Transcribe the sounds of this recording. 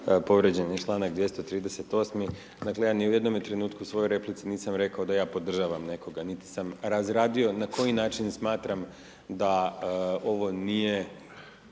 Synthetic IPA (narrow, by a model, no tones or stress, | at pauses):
po̞ʋɾed͡ʑenjet͡ʃlˠaːnakd̪ʋje̞st̪o̞t̪ɾiːd̪e̞se̞t̪o̞ːsmi | d̪akle̞jaːniuje̞d̪no̞mjet̪ɾe̞nuːt̪kusʋo̞joɾe̞plit̪siniːsamɾe̞kao̞d̪ajaːpo̞d̪r̩ʒaʋamne̞ko̞ɡanit̪i̥samɾazɾaːd̪io̞nako̞jinaːt͡ʃinsmaːt̪ɾam | d̪a | o̞ʋo̞nije